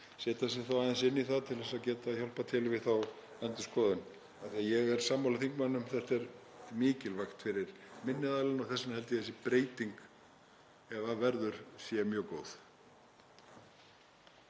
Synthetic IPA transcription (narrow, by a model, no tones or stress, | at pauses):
sɛːt̪asɪθawajðɪnsɪnːiθaðt̪ʰɪlθɛsaðcɛːt̪açɔlpat̪ʰɪlvɪðθaw | ɛnt̪ʏ̥skɔːðʏn | aθiajɛɣɛɾ̥saːmːawlaθiŋkmanːʏmθɛr̥t̪ɛɾmɪːcɪlvajxt̪fɪɾɪɾ̥mɪnːɪðaːlanɔɣθɛsːanhɛlt̪ɪθɛsːɪpɾeːjt̪iŋk | ɛvavɛɾðʏɾ̥sɛmjœːkoːwθ